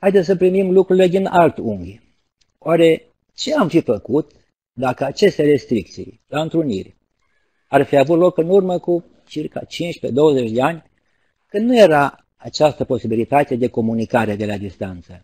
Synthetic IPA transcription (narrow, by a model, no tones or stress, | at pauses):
hajd̪essəpɾimimlukɾuɾile̞d̪inalt̪uŋɡʲ | oaɾe̞ | t͡ʃe̞amfifəkut̪ | d̪akəat͡ʃe̞st̪eɾe̞st̪ɾik̚t̪sḭj | laɨnt̪ɾunḭrʲ | arfiavut̪lo̞kɨnurməku | t͡ʃirka̰t͡ʃint͡ʃped̪o̞wəzet͡ʃʲd̪e̞anʲ | kɨnd̪nuje̞ɾa | at͡ʃast̪əpo̞sibilit̪at̪ed̪e̞ko̞munikaɾe̞d̪e̞lad̪ist̪ant̪sə